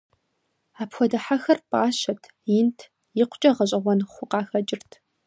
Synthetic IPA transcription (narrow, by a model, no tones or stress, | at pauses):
aːpxʷɔdɐħaxɐrpʼaːɕɐtʰ | jɪntʰ | jɪqʷt͡ʃʼɐʁɐɕʼɐʁʷɔnχʷʊqɑːxɐt͡ʃʼɪrtʰ